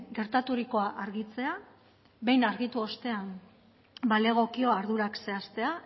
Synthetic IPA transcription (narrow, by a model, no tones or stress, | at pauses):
ɡe̞ɾt̪at̪uɾiko̞aʔaɾɣit͡se̞a | βe̞jnaɾɣit̪uo̞st̪e̞am | baleɣ̞o̞kio̞aɾðuɾakse̞ast̪e̞a